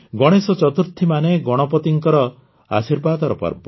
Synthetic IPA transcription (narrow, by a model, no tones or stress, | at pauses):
ɡɔɽ̃esɔt͡ʃɔt̪uɾt̪ʰːimaneɡɔɽ̃ɔpɔt̪iŋkɔɾɔ | a̰siɾbad̪ɔɾɔpɔ̰ɾbɔ